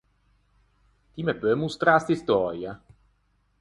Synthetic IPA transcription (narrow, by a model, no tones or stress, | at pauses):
t̪imɛpømust̪ɾast̪ist̪ɔɾja